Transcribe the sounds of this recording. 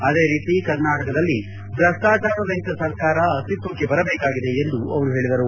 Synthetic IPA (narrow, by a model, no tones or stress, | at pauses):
ɐd̪e̞ːɾiːt̪ikɐɾnaːʈɐkɐd̪ɐlːi | bɾɐst̪aːt͡ʃaːɾɐʋɐɦit̪ɐsɐɾkaːɾɐːst̪it̪ʋɐkːe̞bɐɾɐbeːkaːɡid̪e̞ːnd̪uɐʋɐɾuɦe̞ːɭid̪ɐɾu